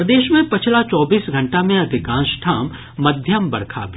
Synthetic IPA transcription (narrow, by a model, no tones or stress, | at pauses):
əd̪eːʃmẽpɪt͡ʃʰlat͡ʃɔːbiːsɡʱɐ̃ɳʈamẽɐd̪ʱɪkãːnʃʈʰaːmː | ɐd̪ʱjəmbɐɽkʰa̰bʱ